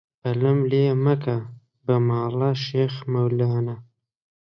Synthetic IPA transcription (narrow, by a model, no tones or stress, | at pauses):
paləmlemaka | bamɑːlaʃeːxmawlɑːna